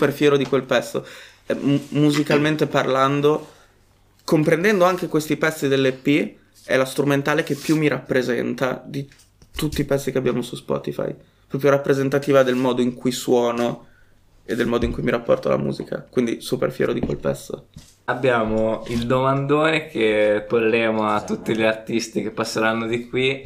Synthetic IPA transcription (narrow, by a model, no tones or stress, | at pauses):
uperfjɛːɾod̪ikwelpɛsːo̰ | ɛmuzikalment̪eparland̪o | kompɾend̪ɛnd̪oaŋk̟ekwest̪ipɛsːid̪elːepːi | ɛ̰last̪ɾument̪aːlek̟epːjumːiɾapːɾezɛ̰nt̪ad̪i | t̪ut̪ːipɛsːikeabːjaːmosuspɔ̰ːt̪ifa̰j | pɾɔpjoɾapːɾezent̪at̪iːvad̪elmɔːd̪oiŋkujswɔːno | ed̪ːelmɔːd̪oiŋkujmiɾapːɔ̰rt̪o̰la̰mṵːzikʰa̰kwind̪isupḛrfjɛ̰ːɾod̪ikwḛlpɛ̰sːo̰ | abːjaːmoild̪omand̪oːɾekʰepolːeːmoat̪ːut̪ːiʎart̪ist̪ikepːasːeɾanːod̪ikwi